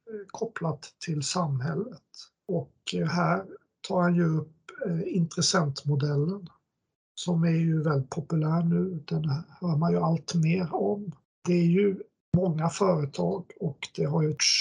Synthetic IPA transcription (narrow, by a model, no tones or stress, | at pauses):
kʰɔplat̪ʰːɪlsamɦɛlːət̪ | ɔkɦæːɾ | t̪ʰɑːɾhanjɵɵpːɪnt̪ɾɛsɛnt̪mʊd̪ɛlːən | sɔmæɾjɵvɛlɪt̪̚pʰʊpɵlæːɾɳʉ̟ːd̪̥ɛnhœːɾmanjɵalt̪meːɾɔm | d̪̥ɛæɾjɵ | mɔŋːafœːɾət̪ʰɑːɡɔkd̪ɛɦaɾj